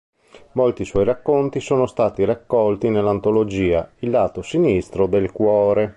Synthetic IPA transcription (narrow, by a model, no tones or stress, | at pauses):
molt̪iswɔjɾakːont̪isoːnost̪aːt̪iɾakːɔlt̪inelːant̪olod͡ʒiːailːaːt̪osinist̪ɾod̪elkwɔːɾe